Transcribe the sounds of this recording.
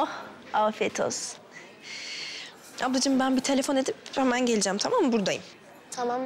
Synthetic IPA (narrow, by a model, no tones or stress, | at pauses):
oh | afet̪ʰo̰z̥ | abd̪ˠad͡ʒɯmbænbit̪ʰe̞lʲefo̞ne̞d̪iphɛmænɟe̞lʲid͡ʒæmt̪ʰamambuɾd̪ajɯm | t̪ʰama